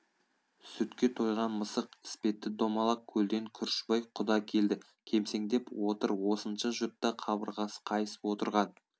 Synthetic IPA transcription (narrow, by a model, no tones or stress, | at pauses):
sʏt̪kʲe̞t̪ʰo̞jʁɑnməsəqɪ̥spe̞t̪ːɪd̪o̞mɑlˠɑp̚kʲʰɵld̪e̞ŋkʲʰʏɾʃbɑjqʰʊd̪ɑkʲʰe̞ld̪ɪ | kʲʰe̞mse̞ŋd̪e̞pwo̞t̪əɾwo̞sənʃəʒʊt̪ːɑqʰɑbəɾʁɑsə̥qʰɑjəsə̥pwo̞t̪əɾʁɑn